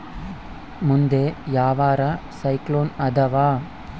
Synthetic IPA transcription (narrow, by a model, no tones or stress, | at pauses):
mʊnd̪eːjaːʋaːɾasɐɪkloːnɐd̪ɐʋaː